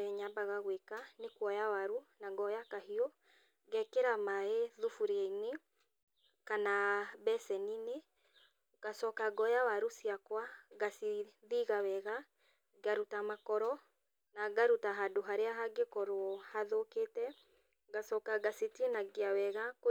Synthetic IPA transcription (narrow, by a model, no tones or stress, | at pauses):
ɛɲabaɣaɣwekanekwɔjawaɾunaɡɔjakahiɔ | ɣɛkeɾamaeðufuɾeaine | kanabɛsɛnine | ɡasɔkaɡɔjawaɾusiakwaɣasiðiɣawɛɣa | ɡaɾutamakɔɾɔ | naɡaɾutaɦadoɦaɾeaɦaɡekɔɾohaðoketɛ | ɡasɔkaɡasetienaɡeawɛɣako